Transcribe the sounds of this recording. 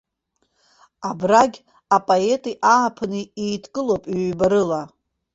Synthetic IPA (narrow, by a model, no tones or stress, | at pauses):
abraɡʲ | apʼoe̞tʼiʔaːpʰnɨijtʰkʼɨlowpʼɥbaɾɨla